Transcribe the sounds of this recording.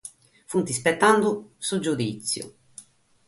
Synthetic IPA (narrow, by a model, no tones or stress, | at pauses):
funt̪ispɛt̪ːand̪ʊsud͡ʒːud̪it̪sːjʊ̰